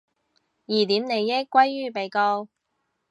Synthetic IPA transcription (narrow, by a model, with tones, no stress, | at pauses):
jiː˨˩t̪iː˨˥mne˨jːɪ˥kʷːwɐ˥jːyː˥˩pe˨˧jkɔː˧w